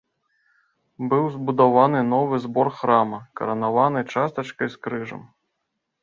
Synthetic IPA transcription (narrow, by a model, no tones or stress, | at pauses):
bɨwzbud̪avanɨnɔvɨzbɔrxɾamɐkɐ̰ɾɐnavanɨt͡ʂast̪ɐt͡ʂkɐjskɾɨʐɐ̰m